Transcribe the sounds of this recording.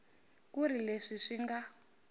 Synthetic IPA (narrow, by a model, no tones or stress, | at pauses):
kuɾileʂiʂiŋɡa